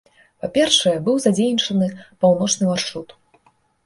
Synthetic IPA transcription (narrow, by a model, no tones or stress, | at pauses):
papʲɛrʂɐjɛbɨwzad͡zʲejnʲit͡ʂɐnɨpawnɔt͡ʂnɨmarʂɾut̪